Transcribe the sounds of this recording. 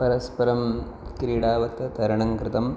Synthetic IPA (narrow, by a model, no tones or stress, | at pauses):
pɐɾɐspɐɾɐm | kɾiːɽaːʋɐt̪ːɐt̪ɐɾɐɳɐŋkɾɪt̪ɐm